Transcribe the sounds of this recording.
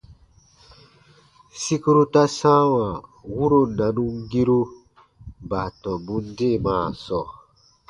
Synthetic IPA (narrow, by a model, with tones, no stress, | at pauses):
si˦ku˦ɾu˦ta˦sã˦wa˨wu˦ɾo˦na˨nu˦ŋ˦ɡi˦ɾu˦ | ba˨tɔ̃˨bũ˦n˦de˦˨maː˨sɔ˦˨